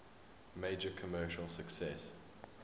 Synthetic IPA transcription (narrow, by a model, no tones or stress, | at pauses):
meɪd͡ʒəkʰəmɜːˑʃəlˠsəksɛs